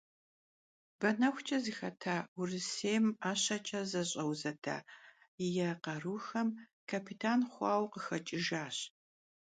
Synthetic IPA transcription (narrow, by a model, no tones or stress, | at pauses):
b̥ɐnɐxʷt͡ʃʼɐzɨxɐtʰaːʊrɨseːmaːɕɐt͡ʃʼɐzɐɕʼɐwzɐtʰa̰ː | jɛqɐruːxɐm | kʰapʰitʰaːnχʷɑːwqəxɐt͡ʃʼɪʒaːɕ